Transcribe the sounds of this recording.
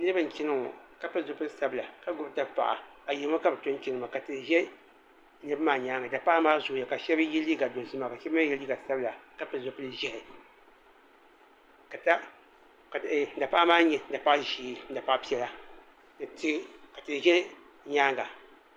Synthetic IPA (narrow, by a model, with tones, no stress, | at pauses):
nɨ˦ɾɨ˦bɨ˨n̩˨t͡ʃi˦nɨ˦ŋ˨ka˦pɨ˦zo˨pɨ˦lɨ˦sa˦bɨ˨la˨ka˦ɡʊ˦bta˦pa̰˨ʔa̰˨a˨ji˨˦ma˦ka˦bɨ˨to˦n˦t͡ʃi˦nɨ˨ma˨ka˨tɨ˨n˨ʒɛ˦ | nɨ˦bmaː˨ɲaː˦ŋɡa˨da˨pa˦ʔa˦maː˦zʊ˦ja˨ka˨ʃɛ˦bjɛ˦li˦ɡa˨do˨zɨ˦ma˨ka˨ʃɛ˦bma˦jɛ˦li˦ɡa˨sa˦bɨ˦la˨ka˦pɨ˨zo˨pɨ˦ʒɛ˦hɪ˨ | ka˨ta˦ | ka˨˦da˨pa˦ʔa˦maː˦ɲɛ˨n̩˦da˨pa˦ʔʒiː˦n̩˦da˨pa˦ʔpi˦ɛ˦la˦ | dɨ˨ti˦ka˨tɨ˨ʒɛ˦ | ɲaː˦ŋɡa˨